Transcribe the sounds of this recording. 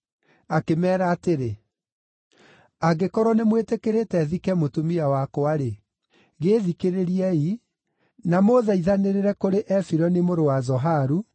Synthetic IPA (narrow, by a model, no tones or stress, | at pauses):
akemɛːɾaːteɾe | aɡekɔɾwɔnemwetekeɾetɛðikɛmotumiawakwaɾe | ɣeːðikeɾeɾiɛi | namoðɛiðaneɾeɾɛkoɾeʔɛfiɾɔnimoɾowazɔɦaɾu